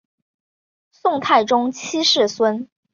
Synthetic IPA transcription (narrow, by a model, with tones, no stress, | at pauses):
sʊ˥˧ŋt̪ʰa˥˩ɪʈ͡ʂʊ˥ŋt͡ɕʰi˥ʂɻ̩˥˩swə˥n